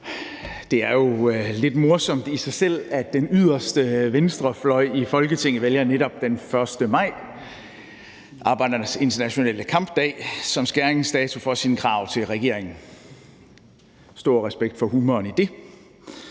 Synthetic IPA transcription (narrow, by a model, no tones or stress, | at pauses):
d̥e̝æɐjo̝le̝d̥mo̝ɐsɒ̽m̰d̥isɑ̈ɪsel̰æd̥enyð̰ˠɐsd̥əʋensd̥ʁɐflɒ̽ɪ̰ifɒ̽lɡ̥ət͡sʰe̝ŋ̰ð̩ˠʋeljɐneɾɒ̽b̥̚d̥enfɶɐsd̥əmɑ̈ɪ̰ | ʔɑ̈ːb̥ɑ̈ɪ̰d̥ɐdse̝nt͡sʰɐnæɕo̝nɛ̰ːləkʰɑ̈mb̥d̥ɛ̰ːsɒ̽msɡ̥æɐeŋsd̥ɛːt͡sʰufɒ̽sinkʰʁɑ̈ʊ̰t͡sʰe̝lʁɛɡ̥e̝̰ɐ̰eŋn̩ | sd̥o̝ɐ̰ʁɛsb̥eɡ̥̚d̥fɒ̽humɐnid̥e̝